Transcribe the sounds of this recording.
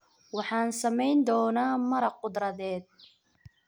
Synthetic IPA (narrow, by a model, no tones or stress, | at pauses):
wɑħɑːnsɐmɛjnd̪ɔːnaːmɐɾɐqʊd̪ɾɐðɛːd̪̚